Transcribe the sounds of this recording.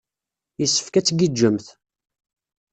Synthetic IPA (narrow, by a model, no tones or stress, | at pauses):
jəsːə̥fkæt͡sːɡid͡ʒːəmθ